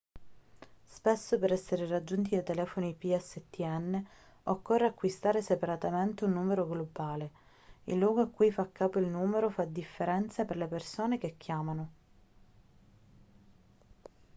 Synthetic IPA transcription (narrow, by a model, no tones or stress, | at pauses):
spesːopeɾɛsːeɾerad͡ʒːunt̪̬id̪ajt̪elɛːfonipiɛsːet̪ːiɛnːe | okːorːeakːwist̪aːɾesepaɾat̪ament̪eunːuːmeɾoɡlobaːle | ilːwɔːɡoakːujfakːaːpoilnuːmeɾofad̪ifːeɾɛnt̪seperlepersoːnekekːjaːmano